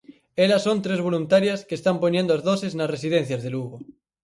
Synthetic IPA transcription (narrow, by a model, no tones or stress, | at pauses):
elasːont̪ɾezβ̞o̞lunt̪aɾjaskeːst̪ampoɲjẽnd̪oazðoseznasres̬ið̞en̟θjazðeluɣo